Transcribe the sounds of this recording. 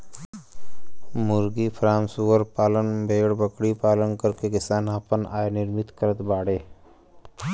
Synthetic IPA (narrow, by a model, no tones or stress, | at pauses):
mʊɾɡipʰɾaːmsuːəɾpaːlənbʱeːɽbəkɽipaːlənkəɾkekɪsaːnaːpəna̰ːjnɪɾmɪt̪kəɾət̪baːɽeː